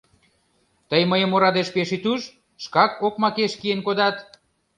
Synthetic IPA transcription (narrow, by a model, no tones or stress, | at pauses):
t̪əjməjəmoɾɑd̪eʃpeʃit̪uʃ | ʃkɑkokmɑkeʃkienkod̪ɑt̪